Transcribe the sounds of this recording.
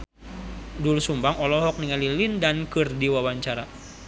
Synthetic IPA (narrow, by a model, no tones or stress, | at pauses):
dulsumbaŋɔlɔɦɔk̚niŋalilindankɨrdiwawaɲt͡ʃaɾa